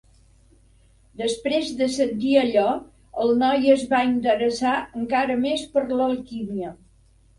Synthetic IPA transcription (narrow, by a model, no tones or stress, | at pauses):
d̪əspɾezðəsənt̪iəʎɔ | əlˠnɔjəzβaint̪əɾəsaəŋkaɾəmespəɾləlˠkiniə